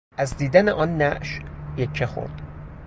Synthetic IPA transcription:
ʔæzd̪iːd̪æneʔɒːnːæʔʃjeckʰːexo̰ɾd̪̥

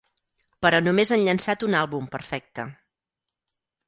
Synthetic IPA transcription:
pəɾɔnumezənʎənsat̪unalˠβumpəɾfɛk̚t̪ə

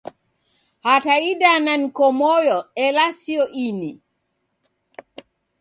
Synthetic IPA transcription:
hataiɗananikɔmɔjɔɛlasiɔʔini

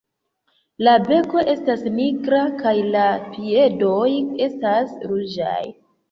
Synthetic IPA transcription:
labe̞ko̞ʔe̞stasnikɾakajlapʰie̞do̞je̞stasɾud͡ʒa̰j

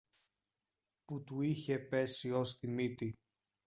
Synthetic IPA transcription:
put̪uiçe̞pe̞sio̞st̪imit̪i

